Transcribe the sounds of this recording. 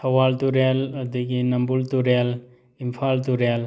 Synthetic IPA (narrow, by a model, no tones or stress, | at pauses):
sɐwalt̪uɾeld̪iɡinɐmbult̪uɾel | impʰalt̪uɾel